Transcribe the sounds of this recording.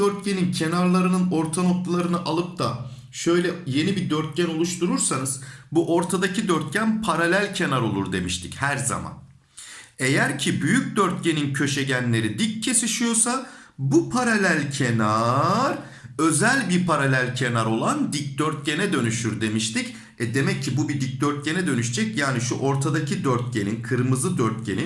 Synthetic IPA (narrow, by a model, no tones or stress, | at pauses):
øɾt̪̚cenincʰe̞naɾlˠaɾɯnɯno̞ɾt̪ʰano̞kt̪lˠaɾɯnɯʔalˠɯp̚d̪a | ʃø̞jlʲɛje̞nibid̪øɾt̪̚ɟæno̞lˠuʃt̪ʰuɾuɾsanɯzbuʔo̞ɾt̪ʰad̪acid̪øɾt̪̚ɟænpʰaɾalʲælʲcʰe̞naɾo̞lˠuɾd̪e̞̰miʃt̪ʰi̥chæɾza̰ma̰n | e̞jæɾcʰibyjyc̚ʲd̪øɾt̪̚ɟe̞nincʰø̞ʃe̞ɟænlʲe̞ɾid̪ic̚cʰːe̞siʃijo̞sa | bupʰaɾalʲælʲcʰe̞naɾ | ø̞zælʲbiɾpʰaɾalʲælʲcʰe̞naɾo̞lˠand̪ic̚d̪øɾt̪̚ɟe̞nɛd̪ø̞nyʃyɾd̪e̞miʃt̪ʰic | ɛd̪e̞mɛcʰːibubid̪ic̚d̪øɾt̪̚ɟe̞nɛd̪ø̞nyʃd͡ʒɛcjaːniʃuʔo̞ɾt̪ʰad̪acʰid̪øɾt̪̚ɟe̞ninkʰɯɾmɯzˠɯd̪øɾt̪̚ɟe̞ni